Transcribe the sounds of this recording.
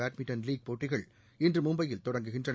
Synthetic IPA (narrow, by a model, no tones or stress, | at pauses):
aːʈmɪʈɐnliːɡ̚poːʈːɪɣɐɭ | ɪndrɯmʊmbɐjɪlt̪ɔɽɐŋɡɯɣɪndrɐn